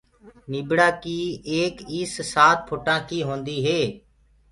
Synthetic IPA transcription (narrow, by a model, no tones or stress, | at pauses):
nɪbɽaːkiːeːkɪssaːt̪̚pʰʊʈãːkiːɦõːnd̪iːɦeː